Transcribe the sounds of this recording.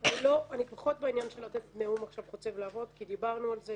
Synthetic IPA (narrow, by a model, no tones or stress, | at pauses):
anilo̞anipaχo̞t̪̚beinjanʃelat̪et̪neumaχʃavχot͡se̞vlaːvo̞t̪kid̪ibaʁnualze